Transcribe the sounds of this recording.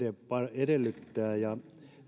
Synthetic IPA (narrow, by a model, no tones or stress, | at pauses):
epɑedelːyt̪ːæːjɑ